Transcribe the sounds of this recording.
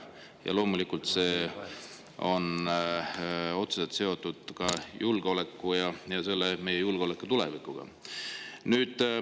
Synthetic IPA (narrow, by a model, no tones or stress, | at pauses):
jɑ̰lo̞ːmulikːˑult̪se̞ː | o̞n | o̞t̪suset̪se̞o̞t̪ːˑud̪̥kɑjʔulɡ̥eo̞le̞kˑːujɑjɑse̞lːeme̞jejulɡ̥o̞lekːˑut̪ule̞̰vikːuɡ̥ɑ̰ | nyːd̪̥